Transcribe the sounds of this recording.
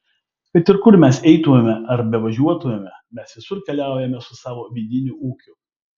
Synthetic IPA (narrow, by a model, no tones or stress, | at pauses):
kɐɪt̪ʲɪɾkʊɾmʲɛsɛɪt̪ʊʋʲɛmʲɛʔɐɾbʲɛʋɐʒʲuɔt̪ʊʋʲɛmʲɛmʲɛsʋʲɪsʊɾkʲɛlʲæˑʊjɛmʲɛsʊsɑːʋoːʋʲiːd̪ʲɪnʲʊʔuːkʲʊ